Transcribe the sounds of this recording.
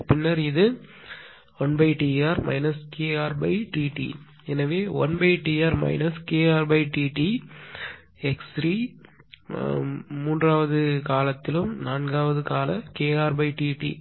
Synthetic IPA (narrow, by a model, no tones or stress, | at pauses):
pɪnːɐɾɪðɯ | ɔnbɐɪʈiaːɾmɐ̰ɪnɐskeːaːɾbɐɪʈiːʈḭ | ɛnɐʋeːɔ̰nbɐɪʈiaːɾmɐ̰ɪnɐskeːaːɾbɐɪʈiːʈi | ɛksɾiː | muːndraːʋɐðɯkaːlɐt̪ːɪlɯmnaːnɡaːʋɐðɯkaːlɐkeːaːɾbɐɪʈiːʈḭ